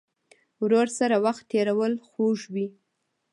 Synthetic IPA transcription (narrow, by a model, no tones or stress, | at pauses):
wɾoɾsaɾawaxt̪ːeɾawəlxoʒwi